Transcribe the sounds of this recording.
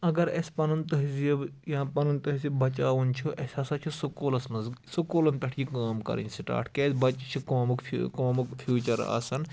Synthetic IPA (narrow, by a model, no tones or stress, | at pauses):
ɐɡɐɾḛsʲpɐnunt̪ɐɦizibjãːpɐnunt̪ɐɦizibɐt͡ʃaːʋunt͡ʃʰuʔɐsʲɐsɐt͡ʃʰisukoːlɐsmɐzsukoːlɐnpʲɐʈʰjikaːmkɐ̰ɾḭnʲsiʈa̰ːɾʈʰkeːsʲbɐt͡ʃt͡ʃʰikoːmukkoːmukfʰjuːt͡ʃɐɾa̰ːsɐn